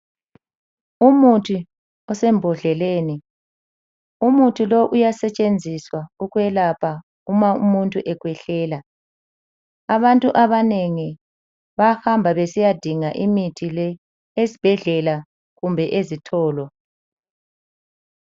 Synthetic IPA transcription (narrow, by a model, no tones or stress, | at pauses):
umutʰi | ɔsɛmbʱɔɮɛleːni | umutʰuloʔujasɛt͡ʃʼend͡zʱiswauɣwɛlapʰa | umaumuntʼuʔɛɣwɛɬɛːla | aβantʼuʔaβaneŋi | βahambʱaβesijad̥ʱiŋaʔimitʰilɛ | ezib̥ʱɛɮɛla | ɣumbʱɛʔezitʰɔːlɔ